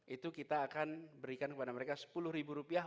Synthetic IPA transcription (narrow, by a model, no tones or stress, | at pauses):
it̪ukit̪aːkanbəɾikankəpadaməɾekasə̥pulʊhɾibuɾupia